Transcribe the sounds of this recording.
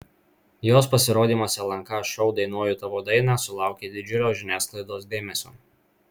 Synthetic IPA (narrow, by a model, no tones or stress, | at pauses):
joːspɐsʲɪɾoːd̪ʲiːmoːsʲɛlˠɐŋkɐʃʲɛʊd̪ɐɪnoːjut̪ɐʋoːd̪ɐɪnɑːˑsʊlˠɑˑʊkʲeːd̪ʲɪd͡ʒʲʊlʲoːʒʲɪnʲæːsklˠɐɪd̪oːs̬d̪ʲeːmʲɛsʲo̰ː